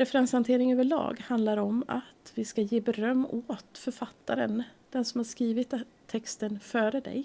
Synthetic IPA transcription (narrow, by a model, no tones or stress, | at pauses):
ɾɛfɛɾɛnshant̪ʰeːɾɪŋøːvəɭɑ̰ːɡhand̪laɾɔma̰t̪vɪskajeːbɛɾœmːoːt̪fœɾfat̪ʰːaɾə̰nd̪̥ɛnsɔmhaɾʂkɾiːvɪt̪ʰː | ɛkst̪ənfœːɾəd̪ɛ̰j